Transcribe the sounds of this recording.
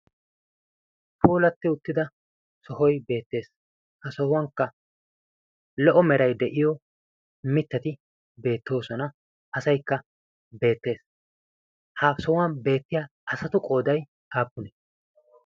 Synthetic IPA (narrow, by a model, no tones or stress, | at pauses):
pʰuːlɐt̪ːɪʊt̪ːɪd̪ɐ | sɔɦɔjbe̞ːt̪ːe̞ːs | hɐsɔhʊwɐŋkːɐ | lɔʔɔmɛɾɐjd̪ɛʔɪjɔ | mɪt̪ːɐt̪ɪ | be̞ːt̪ːo̞ːsɔnɐ | ɐsɐjkːɐ | be̞ːt̪ːe̞ːs | haːfsɔhʊwɐnbe̞ːt̪ːɪjaːʔɐsɐt̪ʊkʼo̞ːd̪ɐj | aːpːʊnɛ